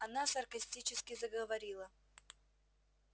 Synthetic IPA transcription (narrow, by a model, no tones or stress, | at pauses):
ɐnasɐrkɐsʲtʲit͡ɕɪskʲɪzəɡəvɐɾʲilˠə